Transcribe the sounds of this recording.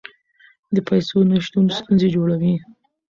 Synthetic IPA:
d̪əpajsonaʃt̪unst̪unzed͡ʒoɽawi

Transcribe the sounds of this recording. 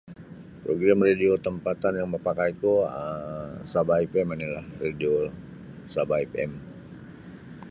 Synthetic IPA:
pɾoɡɾamrediot̪əmpat̪anjaŋməpakajkuəsabaipɛminila̰hredio | sabaipɛ̰m

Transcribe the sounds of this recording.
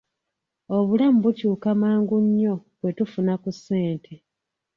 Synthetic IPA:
o̞βulamuβucuːkamaːŋɡuɲːo̞βwe̞tufunakusːe̞ːntʰe

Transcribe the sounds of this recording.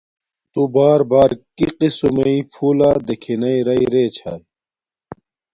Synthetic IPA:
t̪ubaːɾbaːɾkiqisumeipʰuːlaːd̪ekʰinɐiɾɐiɾeːt͡ɕʰaj

